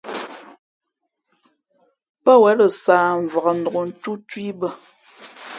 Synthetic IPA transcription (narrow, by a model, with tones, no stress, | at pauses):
pə˦wɛ˨˦lə˨saː˨ɱ˨və˨ə˨n̩do˨o˨n̩˦tu˦twi˦bə˦˨